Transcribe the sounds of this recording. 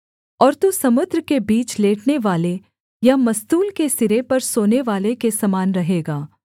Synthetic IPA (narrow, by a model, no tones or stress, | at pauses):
ɔːɾt̪usɐmʊd̪ɾəkebiːt͡ʃleːʈneʋaːle | jamɐst̪uːlkesɪɾepɐɾsoːneʋaːlekesɐmaːnɾɐɦeːɡaː